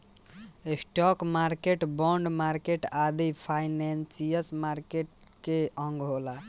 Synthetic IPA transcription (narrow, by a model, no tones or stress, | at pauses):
esʈɔkmaɾkeʈbɔɳɖmaɾkeʈad̪ipʰajnensijəsmaɾkeʈ̚ | keʔə̃ŋɡɦola